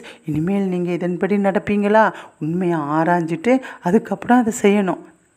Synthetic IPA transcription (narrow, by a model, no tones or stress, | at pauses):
ɪnːɯmeːlniːŋɡɐɪðɐnpɐɽinɐɽɐpːiːŋɡɐlaːʊnmɐjaːɾaːɲd͡ʒɪʈːɯɐðɯkːɐpːɐɽõɐðɐsɛjːɐnʊ̃